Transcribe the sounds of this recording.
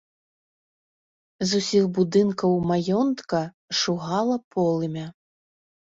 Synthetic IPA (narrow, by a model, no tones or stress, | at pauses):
zusʲixbud̪ɨnkɐwmajɔnt̪kɐ | ʂuɣalˠɐpʰɔlˠɨmʲɐ